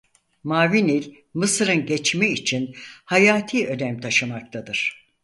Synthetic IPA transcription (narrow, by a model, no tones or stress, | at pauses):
maːvinilʲ | mɯsɯɾɯnɟet͡ʃmɛit͡ʃʰinhajaːt̪ʰiːø̞nɛmt̪ʰaʃɯmak̚t̪ʰad̪ɯɾ̥